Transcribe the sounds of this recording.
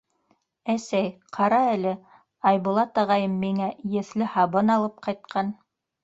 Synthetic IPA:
æsæjqʰɑɾɑælɘ | ɑjβŭlˠɑt̪ɑʁɑjɤmːiŋæjɘ̆θlɘhɑβɤnɑlˠɤp̚qɑjt̪̚qʰɑn

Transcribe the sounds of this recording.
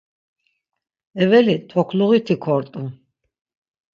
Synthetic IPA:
ɛvɛlit̪ʰɔkʰluɣit̪ʰikʰɔɾt̪ʼu

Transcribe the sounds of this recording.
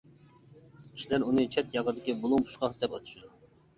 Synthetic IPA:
kʲʰi̥ʃlæɾunɨt͡ʃʰɛt̪jɑʁd̪ɪkʲibolˠumpʰu̥ʃqɑχd̪ɛpɑt̪ʰu̥ʃud̪u

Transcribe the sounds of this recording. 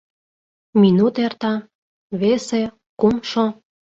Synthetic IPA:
minut̪ert̪ɑ | βese | kumʃo

